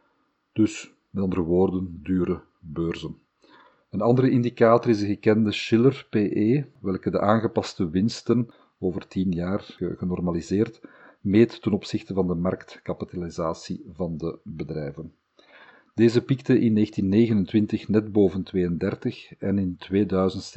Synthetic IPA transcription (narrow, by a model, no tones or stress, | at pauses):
d̥ɵs | mɛtɑnd̪ərəʋoːrdəndyːɾə | bøːrzən | ənɑnd̪əɾəɪndikaːtɔrɪzdəɣəkɛndəʃɪlərpeːʔeːʋɛlˠkədə̰ʔaːnɣəpɑstəʋɪnstən | oːvərtinjaːrɣənɔrmalizeːrtmeːtːənɔpsɪxtəvɑndəmɑrktkɑpitalizaːsivɑndəbədrɛjvən | d̥eːzəpiktəʔɪnːeːxtinːeːɣənəntʋɪntəxnɛdboːvəntʋeːjəndɛrtəxɛnɪntʋeːdœɥzənt